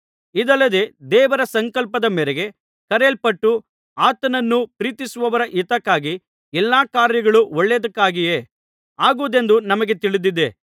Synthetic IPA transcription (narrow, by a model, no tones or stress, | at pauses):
id̪ɐlːɐd̪e̞d̪ɛːʋɐɾɐsɐŋkɐlpɐd̪ɐmɛɾeɡe̞ | kɐɾelpɐʈːu | aːt̪ɐnɐnːupɾiːt̪isuʋɐʋɐɾɐʔit̪ɐkːaːɡi | ɛlːaːkaːɾjɐɡɐɭuɔɭːed̪ɐkːaːɡije̞ː | aːɡuːd̪e̞nd̪unɐmɐɡe̞t̪iɭid̪id̪ːe̞̰